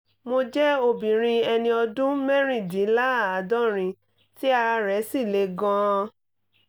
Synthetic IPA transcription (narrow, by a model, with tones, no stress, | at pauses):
mo˧d͡ʒɛ˦o˧˨bĩ˨ɾ̃ĩ˧ɛ˧nĩ˧ɔ˧dũ˦mɛ˦ɾ̃ĩ˦˨dĩ˨˦la˦˨a˨dɔ˦˨ɾ̃ĩ˧ | ti˦a˧ɾa˧ɾɛ˨˦si˦˨le˧˦ɡɔ̃˦˧